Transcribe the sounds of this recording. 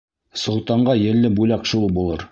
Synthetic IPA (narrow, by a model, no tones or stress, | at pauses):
sŏlˠt̪ɑɴɢɑjɘ̆lːɘbujlɑqʃulˠbulˠɤ̰ɾ